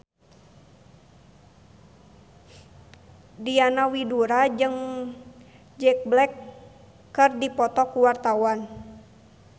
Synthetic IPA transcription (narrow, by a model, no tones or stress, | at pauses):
dianawiduɾad͡ʒɨŋ | d͡ʒɛk̚blɛkː | ɨrdipɔt̪ɔkuwart̪awan